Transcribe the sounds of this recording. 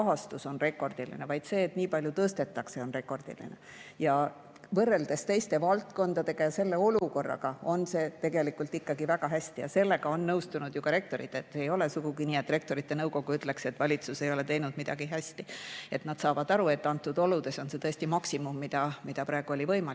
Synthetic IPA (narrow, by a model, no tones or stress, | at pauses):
ɑɦɑst̪uso̞nre̞kˑːo̞rd̪ilḭnevɑjd̪̥se̞ːt̪niːpɑlʲjut̪ɤːst̪e̞t̪ːˑɑkse̞o̞nre̞kːˑo̞rd̪̥ḭlḭnḛ | jɑ | vɤrːe̞ld̪̥e̞st̪e̞jst̪e̞vɑlt̪ko̞nd̪̥ɑd̪e̞ɡ̥ɑjɑse̞lːe̞o̞luko̞rːɑ̰ɡɑo̞nse̞ːt̪e̞ɡe̞likult̪ːikːɑɡivæɡ̥ɑɦæsʲt̪ijɑ̰se̞lːe̞ɡ̥ɑo̞nːɤwst̪unud̪̥jukɑɾe̞k̚t̪o̞ɾḭt̪ːˑet̪ːeejo̞le̞suɡuɡiniːe̞t̪ːˑre̞k̚t̪o̞ɾit̪ːe̞nɤwko̞ɡ̥uyt̪ːˑle̞kse̞t̪ːvɑlʲit̪suse̞jo̞le̞t̪e̞jnud̪̥mid̪̥ɑɡ̥iɦæst̪ie̞t̪nɑd̪̥sɑːvɑd̪ɑɾue̞t̪ːɑnt̪ːˑud̪̥o̞lud̪̥e̞so̞nse̞t̪ɤ̞esʲt̪imɑksimumːid̪̥ɑmid̪̥ɑpɾɑe̞ɡ̥uo̞lʲivɤ̞jmɑli